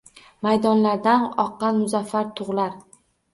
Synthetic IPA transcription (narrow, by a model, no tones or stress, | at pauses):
majd̪ɒnlaɾd̪anɒqːɑnmʊzafːaɾt̪ʰʊʁlaɾ